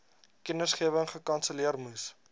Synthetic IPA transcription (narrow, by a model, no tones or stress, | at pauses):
kənəsχiəvəŋχəkɐnsəliərmus